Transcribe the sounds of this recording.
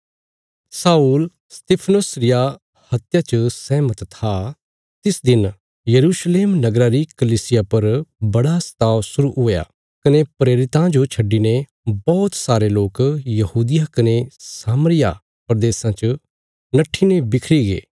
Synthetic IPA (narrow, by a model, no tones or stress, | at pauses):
saːuːl | st̪eːpʰnosɾɪja | hɐt̪jat͡ʃəsɛːmət̪t̪ʰa | t̪ɪsd̪ɪn | jɐɾuːsleːmnɐɡɾaɾikɐliːsɪjapɐɾbɐɽast̪aːʋsʊɾuɦoːja̰ː | kɐnepɾeːɾɪt̪ãd͡ʒot͡ʃʰɐɖːine | bɔːt̪saːɾeloːkjɐɦuːd̪ɪjakɐnesaːmɾɪja | pɾɐd̪eːsãt͡ʃə | nɐʈʰːinebɪkʰɾiɡḛː